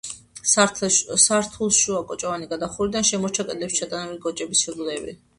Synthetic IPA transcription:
saɾt̪ʰulˠʃuakʼɔt͡ʃʼavaniɡad̪aχuɾid̪anʃɛmɔɾt͡ʃʰakʼɛd̪lɛpst͡ʃʰat̪ʼanabiɡɔt͡ʃʼɛbisʃɛɡlɛbḭ

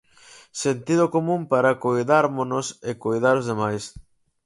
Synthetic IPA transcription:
sent̪iðʊkomũmpaɾɐkojðaɾmonʊsekojðaɾozðemajs

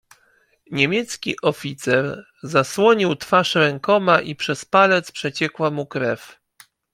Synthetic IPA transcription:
ɲemʲjɛt̪skʲḭʔɔfʲit̪sɛɾ | zaswɔɲiwt̪faʂɾɛŋkɔmaʔipʂɛspalɛt̪spʂɛt͡ɕɛkwamukɾɛf

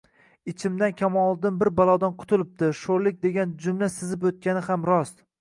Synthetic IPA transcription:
ɪt͡ʃʰɪmd̪ankʲʰamɒlˠd̪ɪnbɪɾbalˠɒd̪anqʰʊ̥t̪ʰʊlˠɪp̚d̪ɪʃoɾlɪk̚ʲd̪e̞ɡʲand͡ʒʊmlasɪzɪpot̪̚kʲanɪhamɾɒst̪

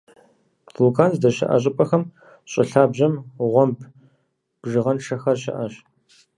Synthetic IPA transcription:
fukʰaːnzdɐʃɪ̰ʔɐ̰ɕ̬ʼɪpʼɐxɐm | ɕʼɪ̰ɬaːbʑɐmʁʷɔmpʰ | b̥ʒɨʁɐnʂʰɐxɐrɕɪ̰ʔɐɕ

